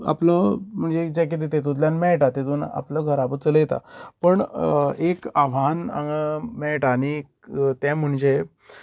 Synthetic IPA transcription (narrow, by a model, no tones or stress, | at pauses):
a̰pləm̤əɳd͡zed͡ʑakit̪̬et̪et̪̬ud̪ljanmɛɭʈat̪et̪uːna̰pləɡʱəɾapət͡sələjet̪a̰pəɳekaʋ̤ana̰mɛɭʈaɽ̃i | t̪jɛ̃m̤əɳd͡ʑe